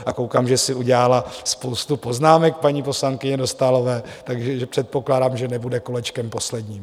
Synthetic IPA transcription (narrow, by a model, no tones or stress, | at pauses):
ʔakowkaːmʒɛsɪuɟɛalaspowst̪upo̞znaːmɛk̚paɲiːpo̞slaŋkɪɲɛdo̞st̪alo̞vɛː | t̪aɡʒɛʒɛpr̥ɛt̪̚po̞klaːdaːmʒɛnɛbudɛkolɛt͡ʃkɛmpo̞slɛdɲiːm